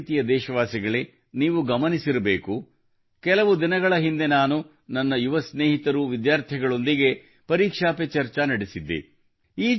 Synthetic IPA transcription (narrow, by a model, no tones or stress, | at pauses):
t̪ijɐd̪ɛːʃɐʋaːsiɡɐɭe | niːʋuɡɐmɐnisiɾɐbeːku | kɛlɐʋud̪inɐɡɐɭɐɦind̪e̞naːnu | nɐnːɐjuʋɐsneːɦit̪ɐɾuʋid̪jaːɾt̪ʰɛɡɐɭo̞nd̪iɡe̞ | pɐɾiːkʂaːpet͡ʃɐɾt͡ʃɐnɐɽisid̪ːḭ | iː